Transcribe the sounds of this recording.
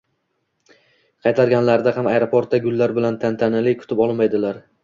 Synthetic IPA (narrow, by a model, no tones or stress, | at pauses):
qʰɑjt̪ʰaɾɡʲanlaɾd̪ahamajɾopʰoɾt̪̚ːaɡʊlːaɾbɪlant̪ʰant̪ʰanɪlɪkʰʊ̥t̪ʰɪpɒlˠmajd̪ɪlaɾ